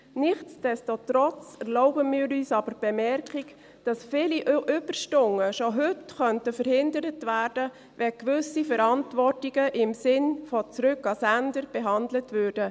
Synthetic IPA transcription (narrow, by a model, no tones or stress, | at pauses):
nɪχtt͡sd̥ɛstot̪ɾɔt͡sɛɾlɔʊbəmɪːɾyːsɑb̥əɾb̥ɛmɛrkik | d̥ɑsfɪːliʔʔʏb̥ərʃtʊŋːəʃoɦʏtχœntəfəɾhɪndəɾətʋæːrd̥ə | ʋɛkʋʏsifəɾɑntʋɔrtiɡəʔɪmsɪnfɔt͡sɾʉkɑsændəɾb̥ɛɦɑndlətʋʉːɾd̥ə